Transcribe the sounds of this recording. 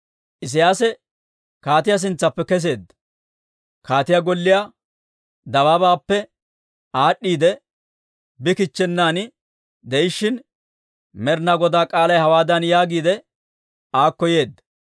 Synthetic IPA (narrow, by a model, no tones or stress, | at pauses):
ʔɪs̬ɪjaːsɛ | kaːt̪̬ɪjɐs̬ɪnt͡sːɐpːɛkɛs̬e̞ːd̪ɐ | kaːt̪ɪjɐɡɔlːɪja | d̪ɐwaːbaːpːɛ | aːɗːiːd̪ɛ | bɪkɪt͡ʃːɛnːaːnɪ | d̪ɛɪʃːɪn | mɛɾnaɡɔd̪aːkʼaːlɐjhɐwaːd̪ɐnjaːɡiːd̪ɛ | aːkːɔje̞ːd̪ːɐ